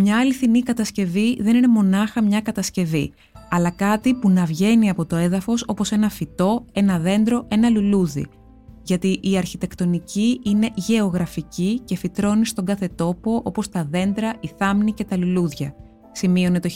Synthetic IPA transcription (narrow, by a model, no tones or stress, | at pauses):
mɲɐɐliθinikɐt̪ɐsce̞viðe̞nine̞mo̞nɐxɐmɲɐkɐt̪ɐsce̞vi | ɐlɐkɐt̪ipunɐvʝe̞niɐpo̞t̪o̞e̞ðɐfo̞so̞po̞se̞nɐfit̪o̞e̞nɐðe̞nd̪ɾo̞ʔe̞nɐluluðḭ | ʝɐt̪iʔiɐɾçit̪e̞kt̪o̞niciine̞ʝe̞o̞ɣɾɐficice̞fit̪ɾo̞nist̪o̞ŋɡɐθe̞t̪o̞po̞ʔo̞po̞st̪ɐðe̞nd̪ɾɐiθɐmnice̞t̪ɐluluðʝɐ̰ | simio̞ne̞t̪o